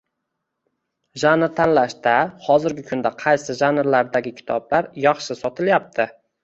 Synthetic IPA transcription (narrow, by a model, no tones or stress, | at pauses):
ʒanɾt̪ʰanlaʃt̪ahɒzɪɾɡʲɪkʰʊnd̪aqʰɑjsɪʒanɾlaɾd̪aɡʲɪkʲʰɪ̥t̪ʰɒblaɾjɑχʃɪsɒt̪ʰɪljap̚t̪ʰɪ